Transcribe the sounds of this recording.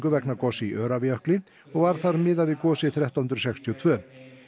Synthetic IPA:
kʏvɛknaɾkɔsɪiʔœːɾavjœhklɪ | ɔɣvaɾ̥θaɾmɪðavɪkɔːsɪθɾjɛht̪aɦʏnɾsɛkst̪ʰiɔt̪ʰvœː

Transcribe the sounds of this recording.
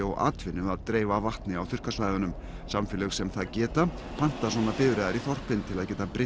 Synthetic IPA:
ɔɣa̰ːt̪vɪnːʏaðt̪ɾeːjvavaht̪nɪawθʏr̥kaslaːjðʏnʏm | samfɪlɛɣsɛmθaðcɛːt̪a | pʰan̥t̪aswɔːnapɪðɾɛðaɾiθɔr̥pɪnt̪ʰɪlaðcɛːt̪apɾɪ

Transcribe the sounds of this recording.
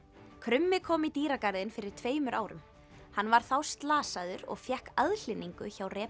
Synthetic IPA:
kʰɾʏmːɪkʰɔːmit̪iːɾakaɾðɪnfɪɾɪ̥t̪ʰveːjmʏɾʔaːwɾʏ̰m | hanːvaɾ̥θawst̪laːsaðʏɾɔ̰ɣfjɛhkaðl̥ɪnːiŋkʏçawrɛːp

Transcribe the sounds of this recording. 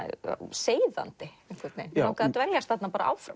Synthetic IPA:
seːjða̰nt̪ɪɛŋ̥kʰvɛɾt̪nḛjnakat̪vɛɾjast̪θhat̪napaːɾaʔa̰ːwfɾa̰

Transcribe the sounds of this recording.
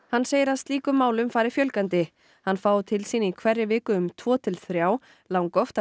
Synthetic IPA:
hanːseːjɪɾaðst̪liːkʏmːaːwlʏmfaːjɾɪfjœlkant̪ɪ | hanːfaːwt̪ʰɪlsiːnɪikʰvɛrːɪvɪːkʏʏmt̪ʰvɔːt̪ʰɪlθɾjaːw | lawŋkɔft̪a

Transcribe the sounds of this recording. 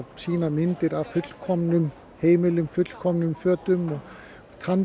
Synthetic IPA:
siːnamɪnt̪ɪɾafʏt̪l̥kʰɔmnʏm | hejmɪlʏmfʏt̪l̥kʰɔmnʏmfœːɐt̪ʏmɔ | t̪ʰan

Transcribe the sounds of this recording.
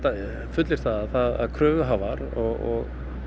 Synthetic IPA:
t̪a | fʏt̪lɪɾ̥θaðaðθaða̰ðkʰɾœːvʏɦaːvaɾɔɣɔɣ

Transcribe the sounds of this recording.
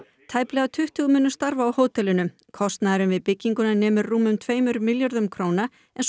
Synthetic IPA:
t̪ʰaːjplɛɣat̪ʰʏht̪ʏɣʏmɛːnːʏ̥st̪aɾvaːwhoːwt̪ɛlʏnʏm | kʰɔst̪naðɾʏmvɪðpɪcːiŋkʏnanɛːmʏɾːuːmʏmt̪ʰveːjmʏɾmɪljaɾðʏmkʰɾoːwna | ɛns

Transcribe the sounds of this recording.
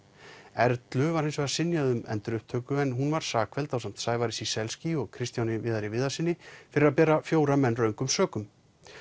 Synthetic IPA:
ɛɾt̪lʏvaɾhɪnsvɛɾasɪnːjaðʏmɛ̰nt̪ʏɾʏhp̚t̪ʰœːkʏɛnɦunvaɾ̥saːkʰvɛlt̪awsam̥t̪saːjvaɾɪsisɛlsciɔɣkʰɾɪst̪jawnɪvɪðaɾɪvɪðasɪnːɪfɪɾɪɾaðpɛːɾafjoːwɾamɛnːrœɥŋkʏmsœːkʏm

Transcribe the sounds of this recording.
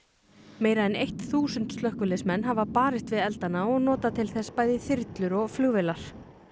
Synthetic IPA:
meːjɾaðɛnejht̪θuːsʏnt̪st̪œhkʏlɪsmɛnːɦavapaːɾɪst̪vɪðɛlt̪anːaɔɣnɔːt̪at̪ʰɪlθɛspaːjðɪθɪɾt̪lʏɾɔɣflʏɣvɪlaɾ̥

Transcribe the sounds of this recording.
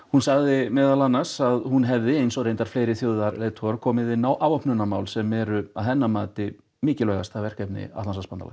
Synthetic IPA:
hunsaɣðɪmɛːðalanːḁsaðhunɦɛvðɪejnsɔɣɾejnt̪aɾ̥fleːjɾɪθjoːwðaɾleːt̪ʰɔɾkʰɔːmɪðɪnawʔaːvɔhpnʏnamawlsɛmɛɾʏaðθɛnːamaːt̪ɪ | mɪːcɪlœɣa̰st̪ʰavɛr̥kɛpnɪ̰a̰t̪lansaspant̪a̰la̰̥

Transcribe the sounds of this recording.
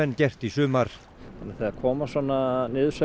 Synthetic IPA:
ɛnːcɛr̥t̪isʏːmaɾ̥ | hanːaɾθaakʰɔːmasɔːnanɪːðʏsœ

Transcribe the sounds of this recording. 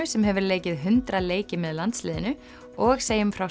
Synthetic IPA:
ʏsɛmɦɛvʏɾleːjcɪðɦʏnt̪ɾaleːjcɪmɛðlant̪slɪːðɪnʏ | ɔɣseːjʏmfɾaw

